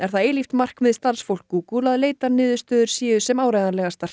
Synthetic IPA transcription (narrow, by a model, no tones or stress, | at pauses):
ɛɾ̥θaðeːjlift̪mar̥kmɪðst̪aɾsfowl̥kuːkulaðleːjt̪anɪːðʏst̪œːðʏɾ̥sjɛːʏsɛmaːwɾajðaɾlɛɣast̪ar̥t̪